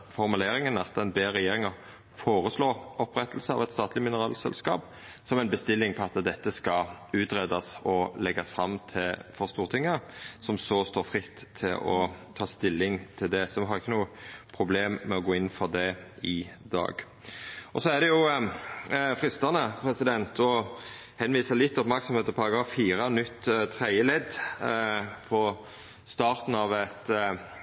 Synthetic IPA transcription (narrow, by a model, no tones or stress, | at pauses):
fɔʁmʉleːɾɪŋənɑt̪̚d̪ɛnbeːɾɛjeːɾɪŋɑʁ | foːɾəsloːɔpɾɛt̪ːəlsəɑ̰ʋɛt̪st̪ɑːt̪lɪmɪnəʁɑːlsɛ̰lskɑ̰ːp | sɔmæɛɪnbəst̪ɪlːɪŋpʰɔɑt̪d̪ɛt̪ːəskɑʉːt̪ʁed̪ɑsɔlɛɡːɑsfɾʁɑmːt̪ʰɪlfɔʁst̪uːʁt̪ʰɪŋːəsɔmsɔst̪oːɾfʁɪt̪ʰːɪlɔ̰t̪ʰɑːst̪ɪlːɪŋt̪ʰɪld̪ɛsɔʋɦɑɾʁɪçːənuːəpʰɾʊbleːmːɛɔɡoːɪnːfɔʁd̪ɛɪd̪ɑ̰ːɡ | ʔɔsɔæʁd̪ɛjʊ | fʁɪst̪ɑnəpʰɾɛsɪd̪ɛnt̪ʰɔ | hɛnʋiːsəlɪt̪ːɔpmæɾksɔmheːt̪ɔpʰɑʁɑɡɾɑːfːiːɾənʏt̪ːt̪ʰɾæɪəlɛd̪ | pʰɔ | st̪ɑːɾt̪n̩ɑʋɛt̪